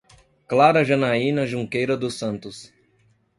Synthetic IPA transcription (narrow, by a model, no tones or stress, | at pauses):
klaɾɐʒɐnaĩnɐʒũŋkejɾɐd̪ʊsɐ̃nt̪ʊs